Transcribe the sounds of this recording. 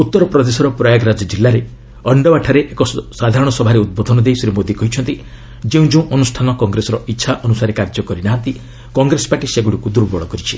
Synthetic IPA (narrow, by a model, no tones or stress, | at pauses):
ut̪ːɔɾɔpɾɔd̪esɔɾɔpɾɔjaɡɾad͡ʒɔd͡ʒilːaɾe | ɔɳɖɔbaʈʰaɾeʔekɔsad̪ʱaɾɔɽ̃ɔsɔbʱaɾeud̪̚bod̪ʱɔnɔd̪ejsɾimod̪ikɔɦit͡ʃʰɔnt̪i | d͡ʒeũd͡ʒoũʔɔnusʈʰanɔkɔŋɡɾesɔɾɔʔitːʃʰaʔɔnusaɾekaɾd͡ʒɔkɔɾinaɦant̪i | kɔŋɡɾesɔ̥baʈiseɡuɽikud̪uɾbɔɭɔkɔɾit͡ʃʰi